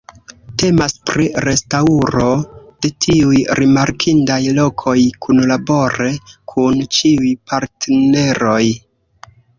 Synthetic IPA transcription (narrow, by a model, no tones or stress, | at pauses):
te̞maspɾiɾe̞stauɾo̞d̥e̞tʰiujɾimaɾkʰindajlo̞kʰo̞jkʰunlabo̞ɾe̞kʰunt͡ʃiujpʰaɾtene̞ɾo̞j